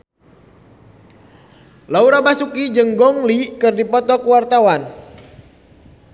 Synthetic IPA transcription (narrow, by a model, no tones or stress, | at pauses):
lauɾabasukid͡ʒəŋɡɔŋlikɨrdipɔt̪ɔkuwart̪awan